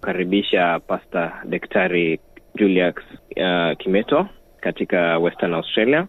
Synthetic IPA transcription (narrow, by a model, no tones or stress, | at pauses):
kaɾiɓiʃapastaɗɛktʰaɾid͡ʒuliakskimɛtɔ | katikawɛstanawstɾalia